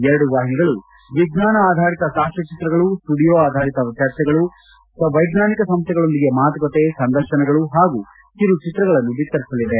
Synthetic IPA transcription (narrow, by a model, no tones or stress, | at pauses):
ɛɾɐɽuʋaːɦiniɡɐɭu | ʋiɡnaːnɐːd̪ʱaːɾit̪ɐsaːʂɐt͡ʃit̪ɾɐɡɐɭusʈuːɽijoːaːd̪ʱaːɾit̪ɐʋit̪jaːɾsɛɡɐɭu | sɐʋɐjɡnaːnikɐsɐmst̪ʰɛɡɐɭo̞nd̪iɡe̞maːt̪ɐkɐt̪esɐnd̪ɐɾʃɐnɛɡɐɭuɦaːɡu | t̪iɾut͡ʃit̪ɾɐɡɐɭɐnːubit̪ːɐɾisɐlːid̪e